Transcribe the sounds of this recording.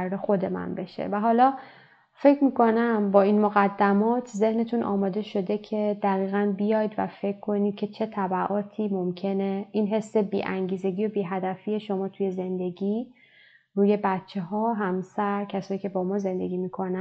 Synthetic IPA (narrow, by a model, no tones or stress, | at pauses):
ɾɾexo̞d̪e̞mæ̰nbe̞ʃḛvæɦɒːlɒː | fe̞cʰmiːko̞næmbɒːinmoɣæd̪ːæmɒːt̪ʰze̞hne̞t̪ʰunʔɒ̰ːmɒːd̪e̞ʃo̞d̪e̞cʰe̞d̪̥æɣiːɣænbijɒːjd̪væ̰fe̞kʰkʰːo̞niːd̪̥̚kcʰe̞t͡ʃʰe̞t̪ʰæbæʔɒːt̪ʰiːmo̞mcʰe̞neiːnɦe̞sːe̞biːʔæŋɟiːze̞ɡiːjobiːɦæd̪æfije̞ʃo̞mɒːt̪ʰuje̞ze̞nd̪e̞ɡiː | ruːje̞bætt͡ʃʰːe̞ɦɒːɦæmsæɾcʰæsɒːjiːcʰe̞bɒːmɒːze̞nd̪e̞̰ɡʲiːmiːkʰo̞næ